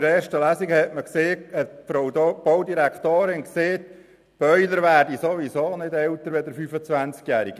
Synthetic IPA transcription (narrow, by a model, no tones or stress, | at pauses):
ɾɛːʃtəlæziɡhɛtməkseːɛtfɾowdb̥owd̪iɾækχt̪oːɾɪnkseːt | b̥œʏləɾʋæːɾdisoʋisoːnɪdɛlt̪əɾʋɛd̪əɾfyfət͡sʋænt͡skjæːɾiɡ̥